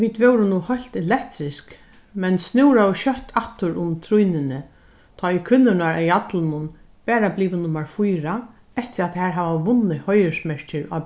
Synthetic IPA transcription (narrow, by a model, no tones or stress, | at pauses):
ʋiːd̪ʋɛwɾɪnuhœl̥t̪ɛlɛkt̪ɾɪsk | mɛnsnɪwɾawɕœht̪ʰaht̪ʊɾʊmt̪ʰɾujnɪnɪ | t̪ʰɔːikʰvʏnːʊnaɾajat̪lnʊn | pɛːɾabliːʋɪnʊmaɹfujɾa | ɛht̪ɪɾaðhæːɹɦaːvaʋʊnːɪhɔjɪsmɛɹt͡ʃɪɾa̰